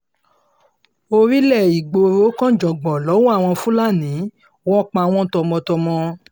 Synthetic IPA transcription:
o˧ɾi˦lɛ˦˨i˨ɡ͡bo˧ɾo˨˦kã˦˨d͡ʒɔ˨ɡ͡bɔ˨lɔ˨˦wɔ˦a˦˨w̃ɔ̃˧fũ˦la˦˨nĩ˨˦ | wɔ˦k͡pã˧w̃ɔ̃˧tɔ˧mɔ̃˧tɔ˧mɔ̃˧

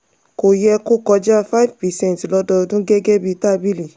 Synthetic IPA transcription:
ko˨jɛ˧ko˦kɔ˧d͡ʒa˦˨fa˦i˦vpɛ˨sɛ̃˦˨n˨tlɔ˨˦dɔ˧dũ˦ɡɛ˦ɡɛ˦bi˧ta˦bi˦li˨

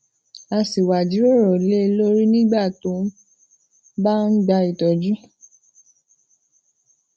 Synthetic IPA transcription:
a˧si˨wa˨d͡ʒi˨˦o˦˨ɾɔ˨le˦lo˦ɾi˦nĩ˦ɡ͡ba˦˨to˨˦ | ba˦n̩˦ɡ͡ba˧˦i˨tɔ˨d͡ʒu˦

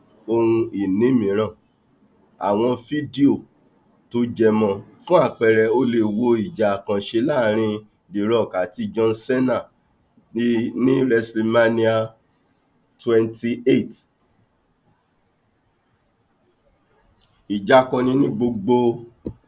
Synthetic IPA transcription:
o˧ɾũ˧i˨nĩ˨˦mĩ˨˦ɾ̃ã˦˨ | a̰˨w̃ɔ̃˧fi˦di˦o˦˨ | to˧˦d͡ʒɛ˧mɔ̃˧˨fũ˦a˦˨k͡pɛ˨ɾɛ˨o˧le˧wo˧i˨d͡ʒa˨kã˨ʃe˧laː˦˨ɾ̃ĩ˧ | di˨ɾɔ˨ka˨˦ti˧d͡ʒɔ̃˧n̩˦sɛ˦na˦˨˧ | nĩ˦ɾɛ˧sli˧ma˦nĩ˦a˧ | twɛ˧nti˧e˦˨t | i˨d͡ʒa˨kɔ̃˧nĩ˧nĩ˦ɡ͡bo˧ɡ͡bo˧

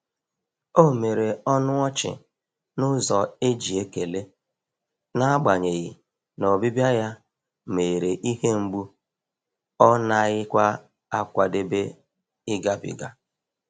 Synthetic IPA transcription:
o˦˨me˨ɾe˨ɔ˦nʊ˦ɔ˦t͡ʃɪ̰˨ | nʊ˦zɔ˨e˦d͡ʒi˨e˦ke˨le˦ | na˦a˦ɡ͡ba˨ɲe˨ɣɪ˨ | no˨bi˦bja˦ja˦ | me˨ɾe˨ʔi˦ɦe˦ŋ͡m̩˦ɡ͡bu˦ | ɔ˦na˦ɣɪ˦kʷa˦ | a˦kʷa˨de˦be˦ | ɪ˦ɡa˦bɪ̰˨ɡa˦

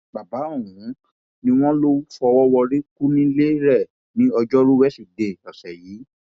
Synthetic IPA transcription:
ba˨ba˨˦o˦˨ũ˨˦ | nĩ˧w̃ɔ̃˦lo˦u˦fɔ˧wɔ˦wɔ˧ɾi˦ku˦nĩ˦le˦ɾɛ˦˨ | nĩ˨˦ɔ˧d͡ʒɔ˦ɾu˦wɛ˦si˦˨de˨ɔ˨sɛ˨jiː˨˦

